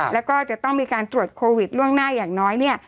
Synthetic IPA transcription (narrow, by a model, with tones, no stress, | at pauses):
lɛː˦˥wkɔː˥˩t͡ɕa˨˩t̪ɔ˥˩ŋmiː˧kaː˧nt̪ɾu˨˩ət̪̚kʰoː˧wi˨˩t̪̚ɾu˥˩əŋnaː˥˩jaː˨˩ŋnɔː˦˥jni˥˩ɐ